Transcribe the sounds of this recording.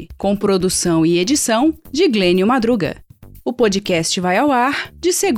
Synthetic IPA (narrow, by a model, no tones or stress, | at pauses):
kõw̃pɾod̪usɐ̃w̃ɪed͡ʒisɐ̃w̃d͡ʒɪɡlẽnjʊmad̪ɾuɡɐ̰ʊpod͡ʒɪkɛst͡ʃɪvajawaɾd͡ʒɪseɡ